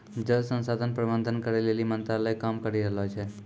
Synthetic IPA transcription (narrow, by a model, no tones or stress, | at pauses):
d͡ʒəsənsad̪ʱənpɾəbənd̪ʱənkəɾɛlelimənt̪ɾaləjkamkəɾiɾəɦlɔt͡ʃʰɛ